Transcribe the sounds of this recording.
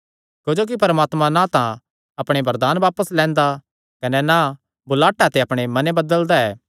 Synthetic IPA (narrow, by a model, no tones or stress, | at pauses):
d͡ʒod͡ʒoːk̬ipɐɾmaːt̪mãnãt̪ã | ɐpɽ̃ebɐɾd̪aːnʋaːpəslɛ̃ːnd̪a | kɐnɛna | bʊlaːʈːat̪eɐpɽ̃emɐnebɐd̪əld̪aɛː